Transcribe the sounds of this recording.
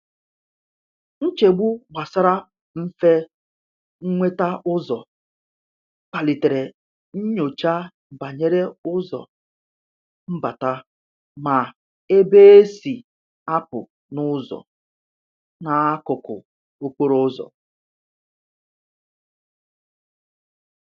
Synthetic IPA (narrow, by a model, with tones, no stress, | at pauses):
n̩˦t͡ʃe˨ɡ͡bu˦ɡ͡ba˨sa˦ɾa˦ | m̩˦fe˦ | ŋ̩˦ŋʷe˦ta˦ʔʊ˦zɔ̰˨ | k͡pa˨li˨te˨ɾe˨ | n̩˦ɲo˨t͡ʃa˦˨ | ba˨ɲe˦ɾe˦ʊ˦zɔ̰˨ | m̩˦ba˨ta˦ | ma˨ | e˦be˦e˦si˨ | a˦pʊ̰˨ | nʊ˦zɔ̰˨ | na˨a˦kʊ˨kʊ̰˨ | o˦kʷo˦ɾo˦zɔ̰˨